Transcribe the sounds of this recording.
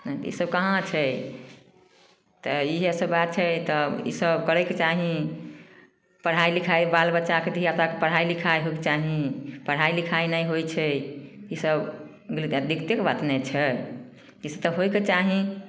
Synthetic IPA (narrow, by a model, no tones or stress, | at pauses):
nt̪ḭsəb̚kəɦãt͡ʃʰɛ | t̪ɔiɦesəbbat̪̚t͡ʃʰɛt̪ɔḭsəbkəɾɛket͡ʃaɦĩ | pəɽ̤ajlikʰajbalbətːt͡ʃaket̪ɦiat̪akepəɽ̤ailikʰajɦojket͡ʃaɦĩpəɽ̤ɦailikʰainəjɦojt͡ʃʰɛisəb | ɡlit̪d̪ikt̪ekbat̪nɛt͡ʃʰɛ | isəbt̪ɔɦoket͡ʃaɦĩ